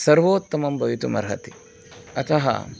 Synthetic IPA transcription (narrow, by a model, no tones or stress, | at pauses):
sɐɾʋoːt̪ːɐmɐmbɐʋit̪umɐɾɦɐ̰t̪i̥ | ɐt̪ɐɦɐ̰